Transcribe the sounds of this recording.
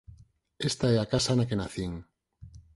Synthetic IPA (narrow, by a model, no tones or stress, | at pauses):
est̪aeakasanakenaθiŋ